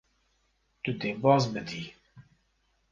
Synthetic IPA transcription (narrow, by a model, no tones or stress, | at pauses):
t̪ud̪eːbɑːzbɨd̪iː